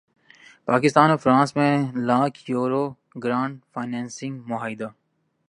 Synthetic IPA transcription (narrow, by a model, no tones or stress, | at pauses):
paːkɪst̪aːnɔfɾãːnsmẽlaːkʰjuːɾoː | ɡɾãːɳɖfaːnãːnsɪ̃ŋɡmʊɦaːɪd̪aː